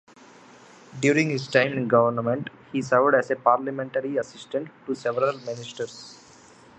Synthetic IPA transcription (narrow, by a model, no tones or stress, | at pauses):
ɖjuːɾĩŋɡhɪsʈãɪ̃mɪ̃nɡʌʋəɾnmẽɳʈ | hiːsəɾʋɖæzepaːɾləmẽɳʈəɾiɐsɪsʈə̃ɳʈːusɛʋəɾəlmɪnɪsʈəɾs